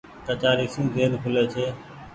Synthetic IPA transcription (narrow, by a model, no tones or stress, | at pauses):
kət͡ʃaːɾiːksĩːzeːnkʰʊleːt͡ʃʰeː